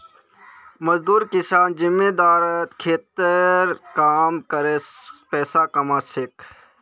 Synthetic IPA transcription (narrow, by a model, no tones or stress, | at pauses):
mɐzd̪uːɾkɪsaːnd͡ʒɪmːeːd̪aːɾət̪kʰeːt̪əɾkaːmkəɾepɛːsakɐmaːsʰɪk